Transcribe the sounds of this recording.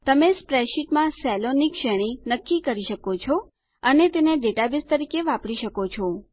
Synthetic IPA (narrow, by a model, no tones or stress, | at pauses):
t̪əmespɾɛʃiʈmãsɛlonikʃɛɽ̃inəkːikəɾiʃəkot͡ʃʰɔ | ənet̪eneɖeʈabist̪əɾikeʋapɽiʃəkot͡ʃʰɔ